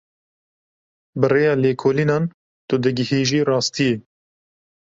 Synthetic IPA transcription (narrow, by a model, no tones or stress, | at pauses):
bɨreːjɑːleːkʰoːliːnɑːn | t̪ʊd̪ɨɡɪhiːʒiːrɑːst̪ije